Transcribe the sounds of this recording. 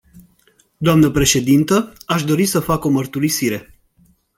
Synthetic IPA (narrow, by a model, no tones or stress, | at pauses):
d̪oamnəpɾe̞ʃe̞d̪int̪əaʃd̪o̞ɾisəfako̞mərt̪uɾisiɾe̞